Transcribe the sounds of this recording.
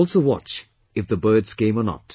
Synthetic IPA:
lˠsowɑ̰t͡ʃ | ɪfðəbɜːdz̥kẽɪ̃mənɔ̰t

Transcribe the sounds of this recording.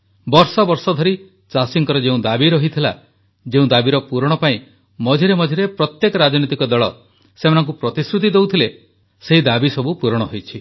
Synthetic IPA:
bɔɾsɔbɔɾsɔd̪ʱɔɾi | t͡ʃasiŋkɔɾɔd͡ʒeũd̪abiɾɔɦit̪ʰila̰ | d͡ʒeũd̪abiɾɔpuɾɔɽ̃ɔpaĩ | mɔd͡ʒʱeɾemɔd͡ʒʱiɾepɾɔt̪jekɔɾad͡ʒɔnit̪ikɔd̪ɔɭɔ | semanɔ̃ŋk̬upɾɔt̪isɾut̪̬id̪ewt̪ʰile | seɦid̪abisɔbupuɾɔɽ̃ɔɦojt͡ʃʰi

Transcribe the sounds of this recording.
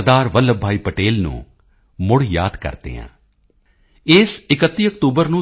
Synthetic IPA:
d̪aːɾʋəlːəbʱaːiːpəʈeːlnṵ̃ː | mʊɽja̰ːd̪kə̰ɾt̪ḛːɦã̰ː | ɪsɪkət̪ːiːəkt̪uːbəɾnũː

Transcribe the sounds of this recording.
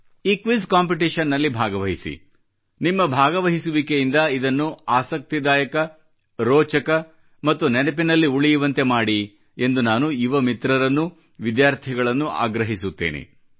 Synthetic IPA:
iːkʋiskaːmp̬iʈ̬iʂɐnːɐlːibʱaːɡɐʋɐɦisḭ | nimːɐbʱaːɡɐʋɐɦisuʋikejind̪ɐid̪ɐnːuaːsɐk̚t̪id̪aːjɐkɐ | ɾɔːt͡ʃɐkɐ | mɐt̪ːunɛnɐp̬inɐlːiuɭijuʋɐnt̪e̞maːɽi | e̞nd̪unaːnuiʋɐmit̪ɾɐɾɐnːu | ʋid̪jaːɾt̪ʰiɐɡɐɭɐnːuʔa̰ːɡɾɐɦisut̪ːḛːnḛ

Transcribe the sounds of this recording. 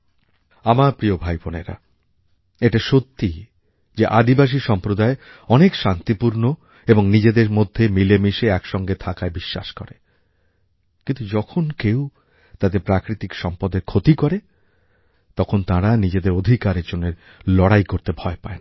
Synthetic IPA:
amaɾpɾiobʱajponeɾa̰ | eʈaʃot̪ːi | d͡ʑeʔad̪ibaʃ̬iʃɔmpɾod̪ae | ɔnekʃant̪ipuɾno | eboŋnid͡ʑed̪eɾmod̪ʱːemilemiʃeɛkʃɔŋɡet̪ʰakaebiʃːa̰ʃkɔ̰ɾe | kint̪ud͡ʑɔkʰonkew | t̪ad̪eɾpɾakɾit̪ikʃɔmpɔd̪eɾkʰot̪ikɔɾe | t̪ɔkʰont̪ãɾanid͡ʑed̪eɾod̪ʱikaɾed͡ʑonːeɾ | lɔɽajkoɾt̪ebʱɔepa̰en

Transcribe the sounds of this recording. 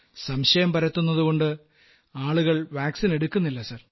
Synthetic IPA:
sɐmɕɐjɐmpɐɾɐt̪ːunːɐðuɣo̞ɳɖɨ | aːɭuɣɐɭʋaːksine̞ɽukʲːunːilːɐsɐr

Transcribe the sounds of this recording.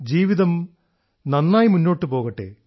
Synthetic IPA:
d͡ʑiːʋiðɐm | nɐnːaːjimunːo̞ːʈːɨpo̞ːɣɐʈːḛː

